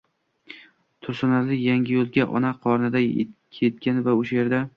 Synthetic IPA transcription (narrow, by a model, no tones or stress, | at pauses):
t̪ʰʊɾsʊnalɪjaŋʲɪjolˠɡʲaʔɒ̰naqʰɒɾnɪd̪a̰kʲʰet̪̚kʲanɪvaʊʃaje̞ɾd̪a